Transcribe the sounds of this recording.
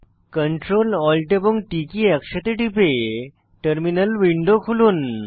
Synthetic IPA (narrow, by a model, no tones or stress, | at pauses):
kəɳʈɾolɔlʈepuŋʈikiəkɕat̪eʈipe | ʈəɾminəlʋiɳɖokʰuluːn